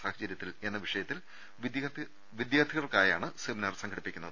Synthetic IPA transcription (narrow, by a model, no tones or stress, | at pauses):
saːhɐd͡ʑɐɾjɐt̪ːile̞nːɐʋiʂɐjɐt̪ːil | ʋd̪ | ʋid̪jaːt̪ʰiɣɐrkaːja̰ːɳɨsemnɐrsɐŋɡɐɽipːikʲːunːɐðɨ